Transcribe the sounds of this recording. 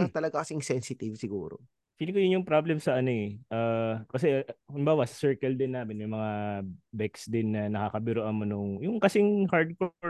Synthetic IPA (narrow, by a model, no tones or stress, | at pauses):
t̪ɐlɐɡakɐsɪŋsɛnsɪt̪ɪvsɪɡṵːɾo̰ | fiːlɪŋkojʊnjʊŋpɾablɛmsɐʔɐnoɛʔaːkɐs̬ɛʔhʊnbaːwɐsɐ̥sɛɹkɛld̪ɪnːaːmɪnmɐjmɐŋabɛksd̪ɪnːɐnɐkakɐbɪɾoʔɐnmonʊŋjʊŋkɐsɪŋhaɹd̪̚koɹ